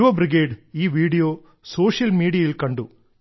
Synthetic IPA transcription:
ʋɐbɾiɡeːɖiːʋiːɽijoː | soːʂjɐlmiːɽijɐilkɐɳɖu

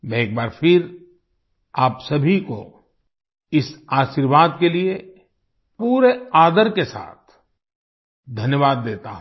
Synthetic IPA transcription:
ʋɛ̃eːk̚baːɾfʰɪɾ | aːpsɐbʱiko̰ | ɪsaːʃiːɾʋaːd̪̚kelie | puːɾeaːd̪əɾkesa̰ːt̪̚ʰ | d̪ʱɐnjəʋaːd̪ːeːt̪aɦ

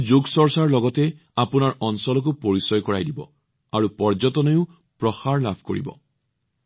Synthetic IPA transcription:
d͡ʒoɡsɔɹsaɹlɔɡɔtɛ | apunaɹɔnsɔlɔk̬upoɹisɔjkɔɹa̰jdibɔ̰ | aɹupɔɹd͡ʒɔtɔnɔjʊ | pɹɔxaɹlabʱko̰ɹḭbɔ̰

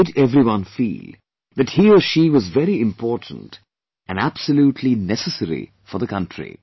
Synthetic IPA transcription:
ɨɾɛvɾiwʌ̃nfḭːlˠ | ðɨthiəʃiwʌzvɛɾiɪ̃mpʰɔɹtn̩t | ɨ̃næb̥səljutʰlinɛsəsɛɾḭ | fɔ˞ðəkʰʌ̃ntɹ̥ḭ

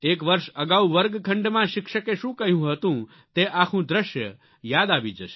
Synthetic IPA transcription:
ekʋəɾʃəɡawʋəɾɡkʰə̃ɳɖmãʃɪkʃəkeʃũkəɦjũɦət̪ũ | t̪eʔakʰũd̪ɾəʃjə | jad̪aʋid͡ʒəʃe̥

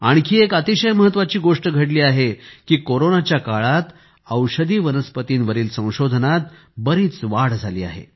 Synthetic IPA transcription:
aɽ̃ikiːekət̪iɕəjməɦət̪ːʋat͡ɕiːɡoʂʈəɡʱəɽliːaɦekiːkoɾonat͡ɕjakaɭat̪ | əwɕəd̪ʱiːʋənəspət̪iːnʋəɾiːlsə̃w̃ɕod̪ʱənat̪̚ | bəɾiːt͡sʋaɽd͡zʱaliːa̰ɦḛ

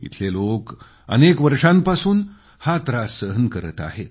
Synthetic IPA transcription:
ḭt̪ʰlelok | ə̰nekʋəɾʂãmpasuːn | hat̪ɾasəɦənkəɾət̪a̰ɦe

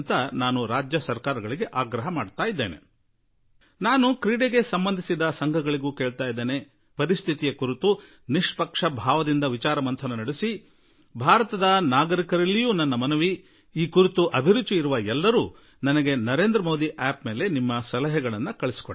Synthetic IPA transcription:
nt̪ɐnaːnuɾaːd͡ʒjɐsɐɾkaːɾɐɡɐɭiɡe̞ʔaːɡɾɐɦɐmaːɖt̪aːjid̪ːeːnḛ | naːnukɾiːɽeɡe̞sɐmbɐnd̪ʱisid̪ɐsɐŋɡʱɐɡɐɭiɡuːkeːɭt̪aːjid̪ːeːne̞ | pɐɾist̪ʰit̪ijɐkuɾit̪u | niʂpɐkʂɐbʱaːʋɐd̪ind̪ɐʋit͡ʃaːɾɐmɐnt̪ʰɐnɐnɐɽisi | bʱaːɾɐt̪ɐd̪ɐnaːɡɐɾikɐɾɐlːijuːnɐnːɐmɐnuʋi | iːkuɾit̪uʔɐbʱiɾut͡ʃːiiɾuʋɐɛlːɐɾuː | nɐnɐɡe̞nɐɾe̞ːnd̪ɾɐmoːd̪iʔɛːpme̞ːle̞nimːɐsɐlɐɦɛɡɐɭɐnːukɐɭesi̥ko

